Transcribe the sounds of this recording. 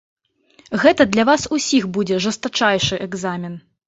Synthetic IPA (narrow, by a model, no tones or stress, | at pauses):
ɣɛt̪ɐd̪lʲɐvasusʲixbud͡zʲɛʐɐst̪at͡ʂajʂɨʔɛɡzamʲin